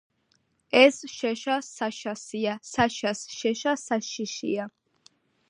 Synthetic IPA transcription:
ɛsʃɛʃasaʃasiasaʃasʃɛʃasaʃiʃḭa

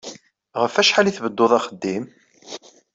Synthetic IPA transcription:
ʁəfæʃħaliθvəd̪ːoðˤɑχəd̪ːim

